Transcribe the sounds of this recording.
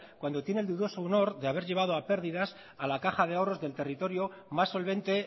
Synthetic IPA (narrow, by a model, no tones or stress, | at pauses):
kwand̪o̞t̪je̞neld̪uðo̞so̞uno̞ɾðe̞aβ̞e̞ɾʝe̞β̞að̞o̞ape̞ɾðiðas | alakaxað̞e̞ao̞ro̞zðelt̪e̞rit̪o̞ɾjo | masːo̞lβ̞e̞nt̪e̞